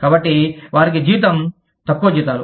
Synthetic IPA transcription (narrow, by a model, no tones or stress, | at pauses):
kaːbɐʈːiʋaːɾik̬id͡ʒiːt̪ɐm | t̪ɐkːuʋɐd͡ʒiːt̪aːɾu